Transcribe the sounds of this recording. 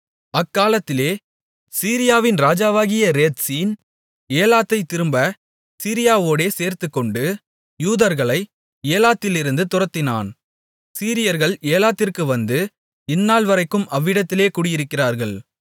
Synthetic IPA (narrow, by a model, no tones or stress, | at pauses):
ɐkːaːlɐt̪ːɪleː | siːɾɪjaːʋɪnɾaːd͡ʒaːʋaːɣɪjɐɾeːt̪siːn | eːlaːt̪ːɐɪt̪ːɪɾɯmbɐ | siːɾɪjaːʋoːɽeːseːɾt̪ɯkːɔɳɖɯ | juːðɐɾɣɐɭɐɪ | eːlaːt̪ːɪlɪɾɯnd̪ɯt̪ʊrɐt̪ːɪna̰ːn | siːɾɪjɐɾɣɐɭeːlaːt̪ːɪrkɯʋɐnd̪ɯ | ɪnːaːlʋɐɾɐɪkːɯmɐʋːɪɽɐt̪ːɪleːkuːɽɪjɪɾɯkːɪraːɾɣɐɭ